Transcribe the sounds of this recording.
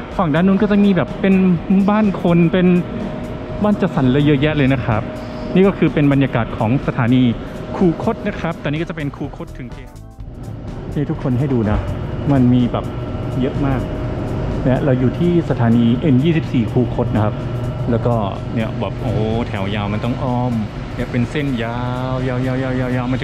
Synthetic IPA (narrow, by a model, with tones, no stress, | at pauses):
fa˨˩ŋdaː˥˩˨nːuː˧˥˩nkɔ˥˩t͡ɕa˨˩ŋmiː˧bɛː˨˩pːe˧nbaː˥˩nkʰo˧npe˧n | baː˥˩nt͡ɕa˨˧˩sa˩˦nlɤː˧jɤ˦˥ʔjɛ˦˥ʔlɤː˧jna˦˥kʰɾa˦˥p̚niː˥˩kɔː˥˩kʰɯː˧pe˧nba˧njaː˧kaː˨˩t̪̚kʰɔː˩˦ŋsa˧t̪ʰaː˩˦niː˧kʰuː˧kʰo˦˥t̪̚na˦˥kʰa˦˥p̚t̪ɛː˨˩niː˦˥˩kɔ˥˩t͡ɕpe˧nkʰuː˧kʰo˦˥t̪ʰːɯ˩˦ŋkʰeː˧˩ | niː˦˥˩t̪ʰu˦˥kʰːo˧nɦa˥˩jduː˧na˦˥ma˧nmiː˧bɛː˨˩p̚jɤ˦˥ʔmaː˥˩k̚ | lɛ˦˥ʔɾa˧wjuː˨˩t̪ʰiː˥˩sa˧t̪ʰaː˩˦niː˧ʔe˧njiː˥˩si˨˩p̚siː˨˩kʰuː˧kʰo˧˦˥t̪̚na˦kʰa˦˥p̚lɛː˦˥wkɔː˥˩ | ni˦˥˩ɐbɛː˨˩p̚ʔoː˧˩t̪ʰɛ˩˦wjaː˧wma˧nt̪ɔ˥˩ŋʔɔː˧˩m | na˥˩˨pe˧nse˥˩njaː˧wjaː˧wjaː˧wjaː˧wjaː˧wjaː˧wma˧nt͡ɕ